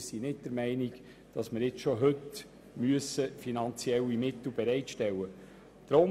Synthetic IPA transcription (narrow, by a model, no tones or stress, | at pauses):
sinɪt̚d̥əɾmɛɪnik | d̥ɑsməɾɪt͡sʃoɦɵt | myəsəfinɑnt͡siɛlːimɪtl̩bɛɾɛɪtʃtɛlːə | d̥ɾo